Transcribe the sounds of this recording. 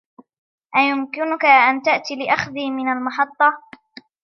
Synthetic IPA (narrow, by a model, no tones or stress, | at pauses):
ʔajʊmkɪnʊkaʔant̪aʔt̪ilɪʔaxðiːmɪnalmɑħɑt̪ˤːɑ